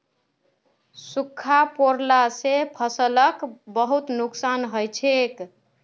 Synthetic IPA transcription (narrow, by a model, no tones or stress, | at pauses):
sukʰːapoɾlasepʰəsələkbəɦut̪nuksanɦəjt͡ʃʰek